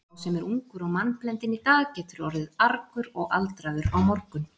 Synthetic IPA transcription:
sɛmɛɾuŋkʏɾaɣmanplɛnt̪ɪnit̪aːɣcɛːt̪ʏɾɔɾðɪðaɾkʏɾɔɣʔa̰lt̪ɾaːðʏɾawmɔɾkʏn

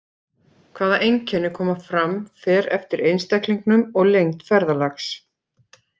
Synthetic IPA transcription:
kʰv̥aːðaʔejŋcʰɛnːɪkʰɔːmafɾamfɛːɾɛ̰ft̪ɪɾejnst̪ɛkliŋknʏmɔɣlejŋt̪fɛɾðalaxs

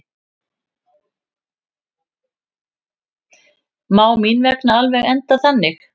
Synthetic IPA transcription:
maːwminvɛknaalvɛɣɛnt̪aθanːɪx

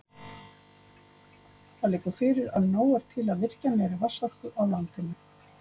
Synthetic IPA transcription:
θaðlɪːkʏɾ̥fɪːɾɪɾa̰ðnoːwaɾ̥t̪ʰɪlaðvɪr̥canɛːɾɪvasɔr̥kʏʔawlant̪ɪnʏ

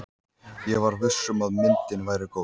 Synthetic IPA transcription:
jɛɣvaɾðʏsːʏmaðmɪnt̪ɪnvajɾɪkoː

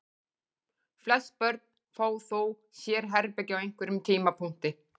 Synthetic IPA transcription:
flɛspœɾt̪̚n̥ | faːwθow | sjɛːɾ̥ɦɛɾpɛcɪawejŋ̥kvʏɾʏmt̪ʰiːmapʰuŋ̥t̪ɪ

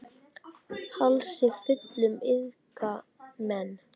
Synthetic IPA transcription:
halʃɪfɪt̪lʏmɪðka | mɛn

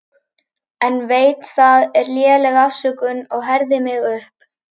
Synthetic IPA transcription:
ɛnveːjt̪θaðɛɾljɛːlɛɣafsʏkʏnɔɣɦɛɾðɪmɪɣʏhp

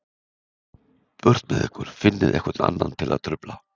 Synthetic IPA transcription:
pœɾ̥t̪mɛðɛhkʏɾ̥fɪnːɪðʔɛ̰hkœt̪na̰nːant̪ʰɪlaðt̪ʰɾʏpla

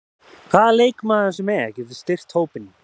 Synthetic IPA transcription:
kʰvaːðaleːjkmaɛsʏmɛcɪɾðɪ̥st̪ɪr̥t̪hoːwpɪnɪ

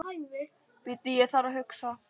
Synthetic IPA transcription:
pɪt̪ːɪjɛθaɾaɦʏksa

